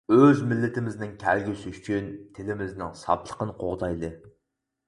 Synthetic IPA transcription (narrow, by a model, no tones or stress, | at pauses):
øzmɪlːɪt̪ʰɪmɪznɪŋkʲʰælɡʲysɪyt͡ʃʰynt̪ʰɪlɪmɪznɪŋsɑ̰plˠə̥qʰənqʰoʁd̪ɑjlˠɨ